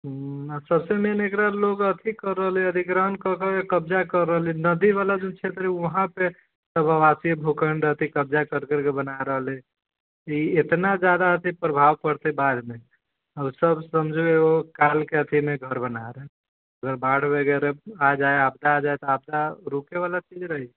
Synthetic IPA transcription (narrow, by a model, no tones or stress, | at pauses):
asəbsemenekɾaloɡət̪ʰikəɾːəɦleəd̪ʱiɡɾəɦənkəkekəbd͡ʒakəɾːəɦlinəd̪iβalad͡ʒunt͡ʃʰet̪ɾiəɦãpe | səbəʋasibʱukəɳɖət̪ʰikəb̚d͡ʒakəɾkəɾkebənaɾəɦəle | iet̪nad͡ʒad̪aət̪ʰipɾəbʱawpəɽt̪ebad̪me | əbsəbsəmd͡ʒʱeokalkeət̪ʰimeɡʱəɾbənaɾə | əɡəɾbaɽ̤ʰbeɡɛɾead͡ʒaeabd̪aːd͡ʒajt̪ɔab̚d̪aɾukeβalat͡ʃid͡ʒɾəɦi